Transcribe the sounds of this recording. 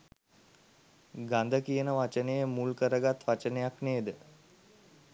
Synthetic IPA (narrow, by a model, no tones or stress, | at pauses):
ɡand̪əkijənəʋat͡ʃənəjəmulkəɾəɡat̪ʋat͡ʃənəjakneːd̪ə